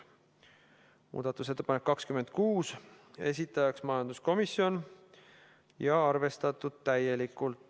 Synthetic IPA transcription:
mṵːd̪̥ɑt̪ːˑuse̞t̪ːepɑnekːɑkskyme̞nd̪̥kuːs | e̞s̬ʲit̪ːˑɑjɑksmɑjɑnd̪̥usko̞misjo̞n | jɑɑrve̞st̪ɑt̪ːˑud̪̥̚t̪æje̞likːˑult̪ˑ

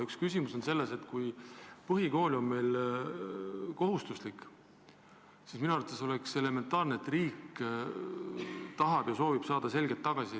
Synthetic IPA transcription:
ykskysʲimuso̞nse̞lːe̞se̞t̪kujpɤɦiko̞ːlʲo̞mme̞jl | ko̞ɦust̪uslikːˑ | sisminuɑɾut̪ːeso̞lekse̞le̞me̞nt̪ːˑɑːrneːt̪riːk | t̪ɑɦɑb̥jɑso̞ːvib̥sɑːd̪̥ɑse̞lɡet̪ːɑɡ̥ɑsi

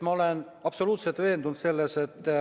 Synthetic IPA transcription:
mɑole̞n | ɑpso̞luːt̪se̞lt̪ve̞ːnd̪und̪se̞lːe̞se̞t̪ː

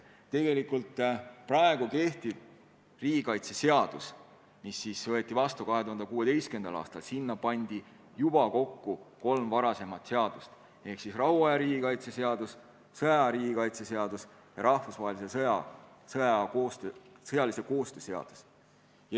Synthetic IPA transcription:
t̪e̞ɡe̞likːult̪ːˑprɑe̞ɡ̥uke̞ht̪ib̥ | riːɡikɑjt̪se̞seɑd̪̥us | misːisvɤet̪ːˑivɑst̪ukɑɦe̞t̪uhɑnd̪ekuːe̞t̪e̞jst̪kend̪̥ɑ̰lɑ̰ːst̪ɑlsinːɑpɑnʲd̪̥i | jub̥ɑko̞kːuko̞lmvɑɾɑse̞mɑt̪ˑse̞ɑd̪̥ust̪ | e̞hksisrɑɦuɑjɑɾiːɡikɑjt̪se̞se̞ɑd̪us | sɤjɑɾiːɡikɑjt̪se̞se̞ɑd̪̥us | jɑɾɑhfusvɑɦelise̞sɤjɑ | sɤɑkoːst̪øsɤjɑlise̞ko̞ːst̪øːse̞ɑ̰d̪̥u̥s | j

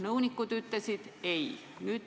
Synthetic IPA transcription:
nəunikːut̪yt̪ːæsit̪ei | nyt̪

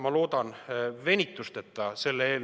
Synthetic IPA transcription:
mɑlo̞ːd̪̥ɑnve̞nʲit̪ːˑust̪e̞t̪ːɑse̞lːeeːl

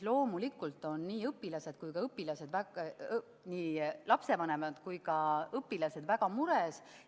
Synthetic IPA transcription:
lo̞ːmulikːˑult̪ːˑo̞nːiːɤpːilɑse̞d̪̥kujkɑɤpːilɑse̞d̪væ | niːlɑpse̞vɑne̞mɑd̪̥kujkɑɤpːilɑse̞d̪̥væɡ̥ɑmuɾes

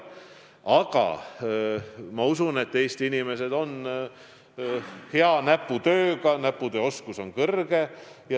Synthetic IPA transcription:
ɑɡ̥ɑ̰ | mɑusune̞t̪ːeːst̪inime̞s̬e̞d̪̥o̞n | heɑnæpːˑut̪ø̞ːɡɑnæpːˑud̪eːo̞skuso̞nkɤrɡ̥e̞jɑ

